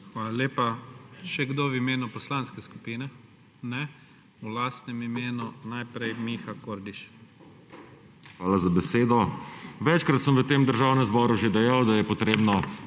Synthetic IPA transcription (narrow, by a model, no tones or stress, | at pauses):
xʋaːlalʲeːpaʃɛɡd̪oʋimeːnupɔslanskɛsku̥piːnɛ | nɛ | ulast̪nɛmimeːnunajpɾɛjmiːxakoːɾd̪iʃ | xʋaːlazabɛseːd̪ɔʋɛt͡ʃkɾat̪səmʋət̪eːmd̪əɾʒaːwnɛmzbɔːɾuʒed̪ɛjawd̪ajɛpɔt̪ɾeːbnɔ